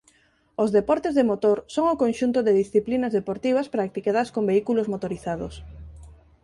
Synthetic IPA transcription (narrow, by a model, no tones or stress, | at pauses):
ozðepɔɾt̪ezðemot̪oɾsoŋʊkonʃunt̪ʊðeðisθiplinɐzðepoɾt̪iβ̞ɐspɾak̚t̪ikaðaskombeikulozmot̪oɾiθaðo̰s